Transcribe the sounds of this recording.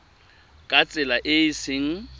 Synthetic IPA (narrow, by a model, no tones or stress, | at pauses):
kʼat͡sʼɪlaʔɪisɪŋ̩